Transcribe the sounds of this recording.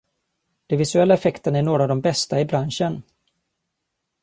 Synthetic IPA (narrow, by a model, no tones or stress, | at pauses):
d̪̥ɛnvɪsɵɛlːaɛfɛkt̪ənaæɳoːɾaːvd̪ɔmbɛst̪aɪbɾanʂən